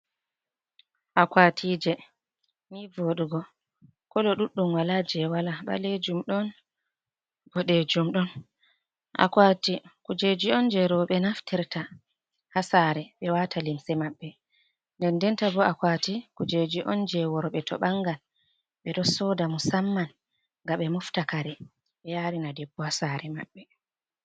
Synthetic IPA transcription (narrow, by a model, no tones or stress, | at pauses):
ʔakwatʰiːd͡ʒɛ | nivoɗuɡɔ | kɔlɔɗuɗːumwalad͡ʒɛwalaɓa̰led͡ʒumɗɔn | b̥ɔɗed͡ʒumɗɔn | ʔa̰kwatikud͡ʒed͡ʒiɔnd͡ʒɛɾɔɓɛnaftʰɛɾtʰa | hasaɾɛɓɛwatʰalimsɛmaɓːɛ | ndɛndɛntabɔʔakwatikud͡ʒed͡ʒiʔɔ̰nd͡ʒɛwɔɾɔɓɛtʰɔ̰ɓaŋɡal | ɓɛɗɔsɔdamusamːan | ŋɡaɓɛmuftakaɾɛ | ɓɛjaɾinadɛbːɔhasaɾɛma̰ɓːɛ